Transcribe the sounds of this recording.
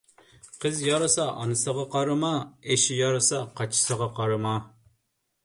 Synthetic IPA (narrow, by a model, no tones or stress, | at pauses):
qʰəzjɑɾɨsɑʔɑ̰nɨsəʁɑqɑɾɨmɑeʃijɑɾɨsɑqʰɑt͡ʃʰɪ̥səʁɑqɑɾɨmɑ